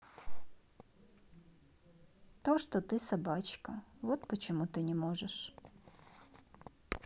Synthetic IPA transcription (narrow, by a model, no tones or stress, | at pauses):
t̪oʂt̪ɔt̪ɪsɐbɑt͡ɕkɐʋɔt̪̚pɔt͡ʃɔmut̪ɪnʲɛmɔʐɛʂ